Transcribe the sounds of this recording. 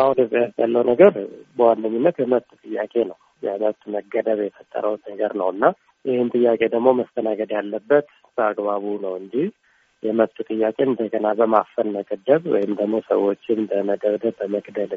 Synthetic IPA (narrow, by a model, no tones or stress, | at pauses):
ʔahunɨbəjast̪ʰʼəlːəwnəɡəɾbəwandəɲːunːət̪jɛməβt̪ʼt̪ʼɨjːakʼe̞nəw | jɛməβt̪ʼməɡːəd̪əβjɛfət̪ʼːə̰ɾʔəwnnəɡəɾnəwɨnːa | jɪhɪnt̪ʼɨjːakʼe̞d̪əɡmo̞məst̪ʰənaɡəd̪jalːəbːət̪ | b̥əaɡbaβunəwɨnd͡ʒ̪ih | jɛməβt̪ʼut̪ʼɨjːakʼe̞ɨnd̪əkʼənabəmafəlməkʼəd̪ːəβwɔ̰jɪmd̪əɡmo̞sə̰wot͡ʃːɪmbəməd̪əβd̪əːəməɡd̪əl